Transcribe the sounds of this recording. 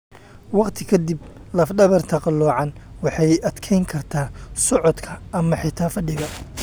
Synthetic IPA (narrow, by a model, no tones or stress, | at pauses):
wɑqt̪ʰɪkʰɐd̪iblɐfɖɐβɐrt̪ʰɐqɑlːɔːʕɑnwɑħɑjɐd̪kʰɛjŋkʰɐrt̪ʰaːsɔʕɔd̪kʰɐɐmɐħɪt̪ʰaːfɐɖɪɣɐ